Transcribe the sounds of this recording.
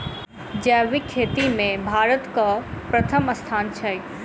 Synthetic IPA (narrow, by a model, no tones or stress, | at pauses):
d͡ʒɛːʋikʰːeːt̪imẽbʱaːɾət̪kapɾɐt̪ʰəmɐst̪ʰaːnt͡ʃʰɐj